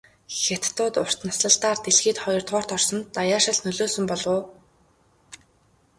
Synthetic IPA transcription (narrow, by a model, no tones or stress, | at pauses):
xet̪ːʊːt̪ʊr̥t̪nasɮə̆ɬt̪aːrt̪eɮxiːt̪χɔjɞ̆rt̪ʁɔːrt̪ɔrsɞ̆nt̪ːajaːʃə̆ɮnɵɮoːsɵ̆mpɔɮʊː